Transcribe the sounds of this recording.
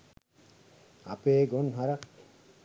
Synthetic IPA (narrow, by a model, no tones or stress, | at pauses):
a̰peɡonɦaɾak